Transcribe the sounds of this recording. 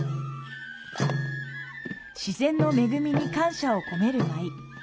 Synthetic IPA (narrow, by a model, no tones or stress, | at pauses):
ɕizẽ̞nːo̞me̞ɡɯ̟mʲiɲ̟ikãɰ̃ɕao̞ko̞ne̞ɾɯ̟mai